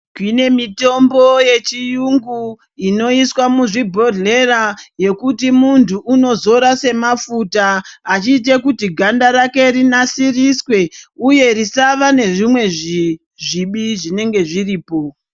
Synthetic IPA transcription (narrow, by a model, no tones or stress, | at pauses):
kwine̞mito̞mbo̞je̞t͡ʃijuŋɡu | ino̞iswamuʐibʱo̞dʱle̞raje̞kutimuntʰuʔːno̞zo̞ɾase̞mafutaːt͡ʃiːt̬ekutiɡʱandaɾake̞rinasiriswe̞uje̞risaʋane̞ʐimwe̞ʐi | ʐiɓiʐine̞ŋɡe̞ʐiriːpo̞